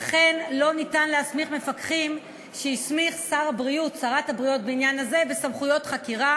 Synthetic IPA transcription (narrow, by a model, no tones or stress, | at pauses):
aχe̞nlo̞nitanleasmiχme̞fakχim | ʃeismiχsaʁabʁiutsaʁathabʁijot̚beinjanaze̞vesamχujo̞tχakiʁa